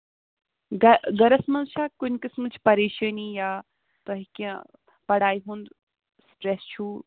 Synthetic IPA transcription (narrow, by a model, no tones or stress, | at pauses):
ɡɐɡɐɾɐsmɐnʃaːkʊnʲkismɨt͡ʃʰpɐɾeːʃənijaː | t̪ɐɦikẽ | pɐɽaːiɦũnd̪ | sʈɾɛst͡ʃʰu